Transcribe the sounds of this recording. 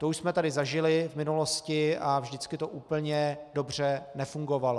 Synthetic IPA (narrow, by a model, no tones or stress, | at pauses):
t̪ouʃsmɛt̪adɪzaʒɪlɪvmɪnuloscɪavʒdɪt͡skɪt̪oʔuːpl̩ɲɛdobr̝ɛnɛfuŋɡo̞valo